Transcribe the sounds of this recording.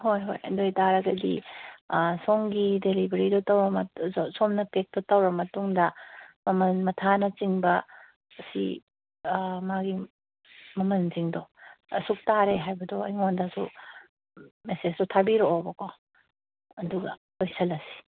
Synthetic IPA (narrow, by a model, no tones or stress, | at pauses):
hojɦojɐ̰dojtaɾɐɡɐdḭ | soŋɡidelibɐɾidotɐwɾɐmɐsomnɐpek̚totɐwɾɐmɐtuŋdɐmɐmɐnmɐtʰanɐt͡ʃiŋbɐ | ɐsḭ | maɡi | mɐmɐnziŋdoɐ̰suk̚taɾeɦajbɐdoɐ̰jŋondɐsu | mesesdotʰabiɾoʔːbɐko | ɐduɡɐ̰ | lojsɐlɐsi̥